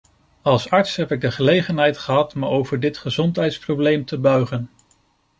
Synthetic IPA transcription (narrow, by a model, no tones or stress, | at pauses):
ɑlˠsɑɹtsɦɛpɪɡ̚dəχəlejχənɦɛjtχəɦɑtməowvəɹdɪtχəzɔntɦɛjtsprowblejmtəbœɥχən